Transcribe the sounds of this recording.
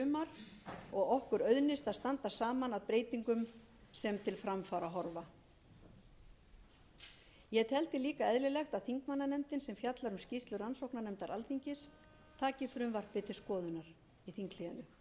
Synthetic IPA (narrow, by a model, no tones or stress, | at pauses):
ʏmaɾɔɣɔhkʏɾœðnɪst̪aðst̪ant̪asaːmanaðpɾeːjt̪iŋkʏm | sɛmt̪ʰɪlfɾamfaɾaɦɔɾva | jɛt̪hɛlt̪ɪliːkaɛðlɪlɛxt̪aðθiŋkmanːanɛmt̪ɪnsɛmfjat̪laɾʏmscist̪lʏransowknanɛmt̪aɾʔalθʰiɲcɪs | t̪ʰaːcɪfɾʏmvar̥pɪt̪ʰɪ̥skɔːðʏnaɾ̥ | iθiŋklɪjanʏ